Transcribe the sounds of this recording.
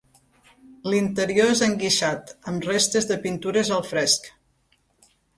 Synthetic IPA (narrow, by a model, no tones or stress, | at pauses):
lint̪əɾioezəŋɡiʃat̪əmrest̪əzðəpint̪uɾəzəlˠfɾɛsk